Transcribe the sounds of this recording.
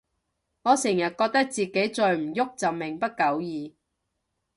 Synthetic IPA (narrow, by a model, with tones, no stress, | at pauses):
ŋɔː˨˧sɪ˨˩ŋjɐ˨t̚kɔː˧k̚t̪ɐ˥k̚t͡siː˨ke˨˥jt͡ʃɔː˨ɥm̩˨˩jʊ˥k̚t͡sɐ˨w̚mɪ˨˩ŋpɐ˥t̚kɐ˨˥wjiː˨˧